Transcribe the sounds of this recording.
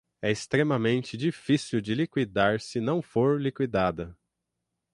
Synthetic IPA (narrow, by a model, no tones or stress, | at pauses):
ɛɪst̪ɾemɐmẽnt͡ʃɪd͡ʒifisiwd͡ʒɪlikwid̪aɾsɪnɐ̃w̃foɾlikwid̪ad̪ɐ